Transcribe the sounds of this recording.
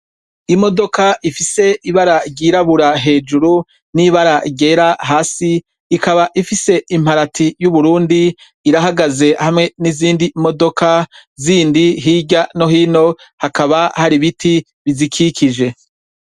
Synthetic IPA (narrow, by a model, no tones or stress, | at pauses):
imo̞do̞kaʔifise̞ʔiβaɾaɾɟiːɾaβuɾaɦe̞ːd͡ʒuɾu | niβaɾaɟe̞ːɾaɦaːsiː | kaβaʔifise̞ʔim̥haɾatʰijuβuɾuːndiː | ɾaɦaɡaze̞hamŋe̞niziːndimo̞do̞kʰaziːndiɦiɟano̞ɦiːno̞ | hakaβahaɾiβitʰi | βizikʰikʰid͡ʒe̞